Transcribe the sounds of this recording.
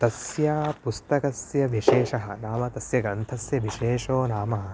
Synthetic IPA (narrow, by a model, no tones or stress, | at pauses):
t̪ɐsjaːpust̪ɐkɐsjɐʋiʃeːʃɐɦɐ̰̆naːmɐt̪ɐsjɐɡɾɐnt̪ʰɐsjɐʋiʃeːʂoːnaːmɐɦɐ